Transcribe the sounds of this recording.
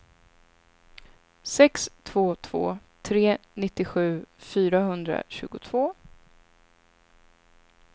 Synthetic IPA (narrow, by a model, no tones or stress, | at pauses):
sɛkst̪ʰv̥oːt̪ʰv̥o̰ːt̪ʰɾeːnɪt̪ːɪɧʉ̟ːfyːɾaɦɵnd̪ɾa̰ɕʉ̟ːɡʊt̪ʰv̥oː